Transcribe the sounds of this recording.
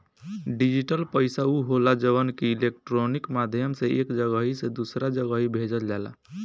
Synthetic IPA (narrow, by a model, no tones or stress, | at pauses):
ɖid͡ʒiʈəlpəjsauɦolad͡ʒəʋənkiilek̚ʈɾonikmad̪ʱjəmseʔekd͡ʒəɡaɦised̪usɾad͡ʒəɡaɦibʱed͡ʒəld͡ʒala̰